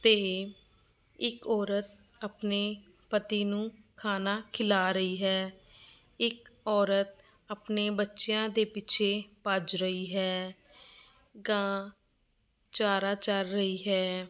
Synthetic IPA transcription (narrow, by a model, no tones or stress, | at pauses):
t̪eː | ɪkɔːɾət̪̚ | əpneː | pət̪iːnũːkʰaːnaːkʰɪlaːɾəiːɦɛː | ɪkɔːɾət̪̚ | əpneːbətːʃjãːd̪eːpɪt͡ʃʰeːpəd͡ʒɾəiːɦɛː | ɡãː | t͡ʃaːɾaːt͡ʃəɾːəiːɦɛː